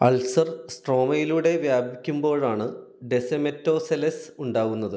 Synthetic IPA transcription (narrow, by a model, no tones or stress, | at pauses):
ɐ̰lsɐrsʈro̞ːmɐjiluɽe̞ʋjaːbʱikʲːumbo̞ːɻaːɳɨ | ɖesɐmetːo̞ːselɐsuɳɖaːɣunːɐðɨ